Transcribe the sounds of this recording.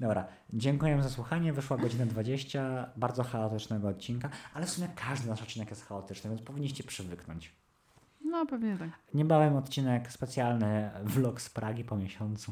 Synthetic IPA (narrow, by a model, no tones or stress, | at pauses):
d̪ɔbɾa | d͡ʑɛŋkujɛmzaswuxaɲɛvɘʂwaɡɔd͡ʑinad̪vad͡ʑeɕt͡ɕabaɾd̪zɔxaɔt̪ɘt͡ʂnɛɡɔːt̪̚t͡ɕinkaʔalɛfsumʲjɛkʰaʐd̪ɘnaʂt̪̚t͡ɕːinɛkjɛst̪xaɔt̪ɘt͡ʂnɨvʲjɛnspɔvʲiɲːiɕt͡ɕɛpʂɘvɘknɔ̰ɲt͡ɕ | nɔpɛvɲɛt̪aɲɛbavʲjɛmɔt̪t͡ɕinɛkspɛt̪sʲjalnɘvlɔkspɾaɡʲipɔmʲjeɕɔnt̪su